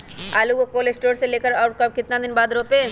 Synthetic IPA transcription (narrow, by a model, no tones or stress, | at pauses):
aːluɡokoːled͡ʒsʈoːɾseleːkəɾɔːʈkəkɪt̪nad̪inbaːd̪ɾope